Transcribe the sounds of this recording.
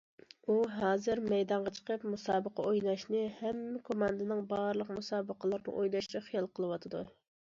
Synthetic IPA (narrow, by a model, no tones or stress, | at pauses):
uɦɑːzɨɾmɛjd̪ɑɴʁɑt͡ʃʰə̥qʰəpmusɑːbəqʰɑojnɑʃnɨhɛmːɪkʰomɑnd̪ɨnɨŋbɑɾlˠəqmusɑːbəqʰəlˠɨɾnɨ̰ʔojlɑʃt͡ʃʰɛχijɑlˠqʰəlˠɨwɑt̪ʰɨd̪ṵ